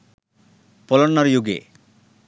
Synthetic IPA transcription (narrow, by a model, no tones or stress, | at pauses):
pɔlɔnːʌrjuɡḛ